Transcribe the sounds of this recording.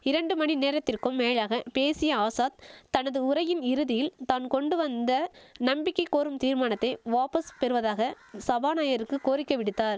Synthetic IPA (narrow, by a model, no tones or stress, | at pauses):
ɪɾɐɳɖɯmɐɳineːɾɐt̪ːɪrkɯmːeːɻaːɣɐpeːsɪjɐaːsaːt̪t̪ːɐnɐðɯʊɾɐjɪnɪɾɯðɪjɪlt̪aːnkɔɳɖɯʋɐnd̪ɐnɐmbɪkːɐɪkːoːɾɯmt̪iːɾmaːnɐt̪ːɐɪʋaːpɐspɛɾɯʋɐðaːɣɐ | sɐbaːnaːjɐɾɯkːɯkoːɾɪkːɐʋɪɽɯt̪ːaːɾ